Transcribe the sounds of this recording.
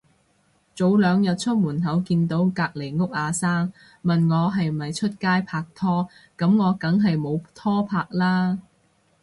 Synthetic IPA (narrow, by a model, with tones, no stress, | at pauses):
t͡so˨˥wlœː˨˧ŋjɐ˨t̚t͡ʃʰɵ˥t̚muː˨˩nɦɐ˨˥wkiː˧nt̪o˨˥wkaː˧k̚le˨˩jŋʊ˥k̚ʔaː˨˧saː˥ŋ | mɐ˨nŋɔː˨˧ɦɐ˨j̩˨ɐ˨jt͡ʃʰɵ˥t̚kaː˥jpʰaː˧k̚t̪ʰɔː˥kɐ˨˥mŋɔː˨˧kɐ˨˥ŋɦɐ˨jmo˨˧wt̪ʰɔː˥pʰaː˧k̚laː˥